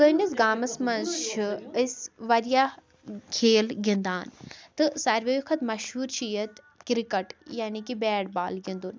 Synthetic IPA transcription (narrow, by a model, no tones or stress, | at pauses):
kənisɡaːmɐsmɐnzt͡ʃʰiɪsʋɐɾijaː | kʰeːlɡiənd̪a̰ːnt̪ɨsaɾʋejukʰɐt̪mɐʃɦuːɾt͡ʃʰijɐt̪ | kɾikɐʈjaːnikibɛːɽbaːlɡĩnd̪un